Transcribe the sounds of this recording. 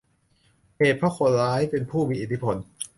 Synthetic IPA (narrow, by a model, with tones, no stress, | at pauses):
heː˨˩t̪̚pʰɾa˦˥kʰo˨˩˦ɾaː˦˥jpe˧npʰuː˥˩miː˧ʔiː˨˩t̪ʰːi˥pʰo˧n